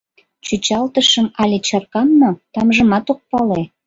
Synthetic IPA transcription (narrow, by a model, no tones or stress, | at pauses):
t͡ɕut͡ɕɑlt̪əʃəmɑlʲet͡ɕɑrkɑmnot̪ɑmʒə̆mɑt̪ok̚pɑle